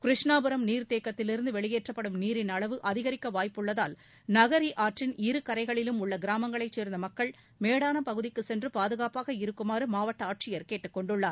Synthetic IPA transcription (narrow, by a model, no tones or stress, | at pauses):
kɾɪʂɳaːbɯɾɐmniːɾt̪eːkːɐt̪ːɪlɪɾɯnd̪ɯʋɛɭɪjeːʈrɐpːɐɽɯmniːɾɪnɐɭɐʋɯʔɐðɪɣɐɾɪkːɐʋaːjpːɯɭːɐðaːl | nɐɣɐɾiʔaːʈrɪniɾɯkɐɾɐɪɣɐɭɪlɯmʊɭːɐɡɪɾaːmɐŋɡɐɭɐɪt͡ʃːeːɾnd̪ɐmɐkːɐɭ | meːɽaːnɐpɐɣɯðɪkːɯsɛndrɯpaːðɯɣaːpaːɣɐɪɾɯkːɯmaːɾɯmaːʋɐʈːɐaːʈ̚t͡ʃɪjɐɾkeːʈːɯkːɔɳɖɯɭːaːɾ